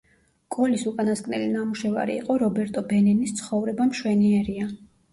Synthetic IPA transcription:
ɡ̥ɔlisukʼanaskʼnɛ̰linamuʃɛva̰ɾḭːqʼɔɾɔbɛɾt̪ʼɔbɛnɛnist̪sʰχɔvɾɛbamʃwɛniɛɾia

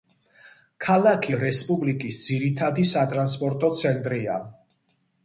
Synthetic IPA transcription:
kʰalˠakʰiɾɛspʼublikʼisd̪ziɾit̪ʰad̪isat̪ʼɾanspʼɔɾt̪ʼɔt̪sʰɛnt̪ʼɾia

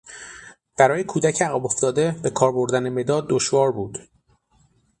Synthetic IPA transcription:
b̥æɾɒːjekʰuːd̪æcʰeæɣæbo̞ft̪ɒːd̪e̞be̞kʰɒːɾbo̞ɾd̪æne̞me̞d̪ɒːd̪ːoʃvɒːɾbuːd̪̥

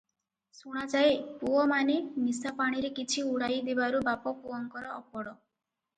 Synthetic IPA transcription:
suɽ̃at͡ʃajpuɔmanenisapaɽ̃iɾekit͡ʃʰiuɽajd̪ebaɾubapɔpuɔŋkɔɾɔʔɔpɔɽɔ

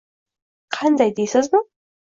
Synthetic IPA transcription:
qʰɑnd̪ɑjd̪ejsɪzmə

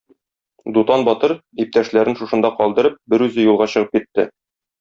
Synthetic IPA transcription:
d̪ut̪ɑnbɒt̪ɤɾ | ip̚t̪æʃlæɾɘnʃuʃɤ̆nd̪ɑqɒlˠd̪ɤ̆ɾɤp̚bɘɾʉzɘjulˠʁɑɕɤ̆ʁɤp̚kit̪ːɘ̰

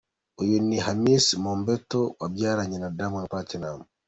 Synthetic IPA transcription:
ʔɔjonːihamismɔmbɛtːɔwabijaɾaɲɛnadamɔnpatɛnamu

